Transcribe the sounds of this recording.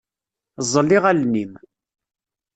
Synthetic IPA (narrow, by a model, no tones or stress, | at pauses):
zˤːəlːiʁælnim